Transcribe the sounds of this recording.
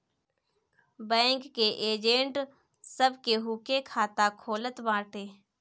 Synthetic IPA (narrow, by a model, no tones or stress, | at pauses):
bɛ̃ːŋkːeʔeːd͡ʒẽːɳʈ | səbʱkeɦuːkekʰaːt̪akʰoːlət̪bãːɾʈeː